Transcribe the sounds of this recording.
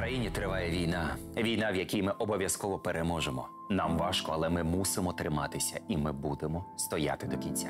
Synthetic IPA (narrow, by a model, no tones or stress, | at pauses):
kɾɐjinʲit̪ɾɪʋɑjɛʋʲijna | ʋʲijnɑʋjɐkʲijmɪʔɔbɔʋʲjɐskɔʋɔpeɾemɔʒemɔ | nɑmʋɑʃkɔɐlˠɛmɪmusɪmɔt̪ɾɪmɑt̪ɪsʲɐimɪbud̪emɔst̪ɔja̰t̪ɪd̪ɔkʲinʲt͡sʲa